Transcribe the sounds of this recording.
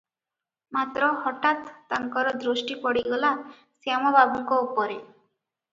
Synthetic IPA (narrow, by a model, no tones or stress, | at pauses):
mat̪ɾɔhɔʈat̪ːaŋkɔɾɔd̪ɾoʃʈipɔɽiɡɔla | samɔbabɔŋkɔupɔɾe